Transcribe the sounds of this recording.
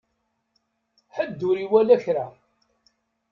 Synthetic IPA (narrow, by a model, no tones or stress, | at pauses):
ħəd̪ːʊɾiwælæçɾa